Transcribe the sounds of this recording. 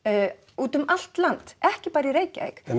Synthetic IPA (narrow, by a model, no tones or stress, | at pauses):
uːt̪ʏmal̥t̪lant̪ɛhcɪpaːɾɪiɾeːjcaɛ̰xɛ